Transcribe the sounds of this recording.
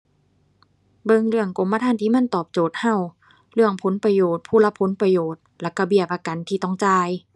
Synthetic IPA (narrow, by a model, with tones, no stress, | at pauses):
bɤ˧ŋɾɯ˧˩əŋko˨˦mːpa˧t̪ʰaː˧˥˨t̪ʰiː˧˩ma˧˥˨nt̪ɔː˨˩p̚t͡ɕoː˨˩t̪̚ha˧˩w | lɯ˧˩əŋpʰo˨˦npɾa˧joː˨˩t̪̚pʰuː˧˩˨la˧˥pʰo˨˦npɾa˧joː˨˩t̪̚lɛ˧˩ka˧bi˨˧˩əp̚ʔa˧ka˨nt̪ʰiː˧t̪ɔ˧˩ŋt͡ɕaː˧˩j